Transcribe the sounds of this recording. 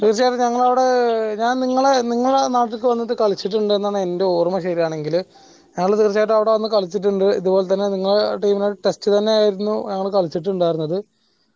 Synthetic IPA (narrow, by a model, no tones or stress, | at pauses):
t̪iːrt͡ɕːaːjiʈːɨɲɐŋːɐɭɐʋiɽe̞ɲaːnniŋːɐɭeniŋːɐɭuɽenaːʈːilkːɨʋɐnːɐðɨkɐɭit͡ɕːiʈːuɳɖɨe̞nːaːɳɨende̞oːrɐmɐɕɐɾijaːɳe̞ŋɡil | ɲɐŋːɐɭt̪iːrt͡ɕːaːjʈ̬ːɨɐʋiɽe̞ʋɐnːɨkɐɭit͡ɕːiʈ̬ːuɳɖɨiðubo̞ːlet̪̬ːɐnːeniŋːɐɭʈiːminoɽʈestːɨt̪ɐnːe̞aːjiɾunːuɲɐŋːɐɭkɐɭit͡ɕːiʈːɨuɳɖaːjiɾunːɐðɨ